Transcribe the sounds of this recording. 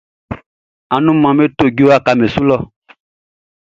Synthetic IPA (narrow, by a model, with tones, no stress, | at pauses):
a˨nũ˦mã˨me˦to˨ɡo˨˦a˦˨ka˨me˨su˦lɔ˦˨